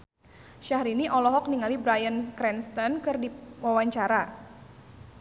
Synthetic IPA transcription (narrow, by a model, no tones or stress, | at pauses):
ʃahɾiniʔɔlɔɦɔk̚niŋalibɾajənkɾɛnst̪ɔnkɨrdiwawaɲt͡ʃaɾa